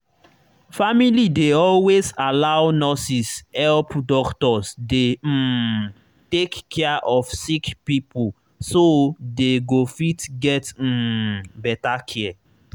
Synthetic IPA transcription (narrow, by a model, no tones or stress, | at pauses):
familideɔlwezalawnɔsishɛlpdɔktɔsde | tekːɛaʔɔfsikpipo | sodeɡofitɡɛt̩bɛtakʰɛɛ